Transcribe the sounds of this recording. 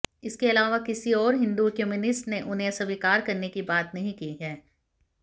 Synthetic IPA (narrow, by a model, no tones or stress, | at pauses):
ɪskeɐlaːʋakɪsiɔːɾɦɪ̃nd̪ukemunɪsʈneʔʊnɦẽsɐʋikaːɾkɐɾnekibaːt̪nɐɦĩkiɦɛː